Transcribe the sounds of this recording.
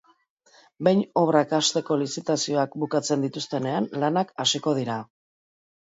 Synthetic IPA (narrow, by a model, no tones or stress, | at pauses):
be̞jɲo̞β̞ɾakast̪e̞ko̞lisit̪asio̞akbukat͡se̞nd̪it̪ust̪e̞ne̞anlanakasiko̞ð̞iɾa